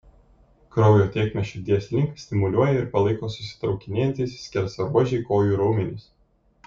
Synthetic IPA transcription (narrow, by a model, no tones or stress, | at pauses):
kɾɔʊjoːt̪ʲeːkmʲɛʃt͡ʃʲuːd̪ʲiɛsʲlʲɪŋkɐsʲt̪ʲɪmʊlʲuɔjɛɪɾpɐlˠɐɪkoːsʊsʲɪ̥t̪ɾɒʊkʲɪnʲeːjɛnt̪ʲɛɪssʲkʲɛɾsɐɾuɔʒʲɛɪkoːjuːɾɐʊmʲɛnʲɪs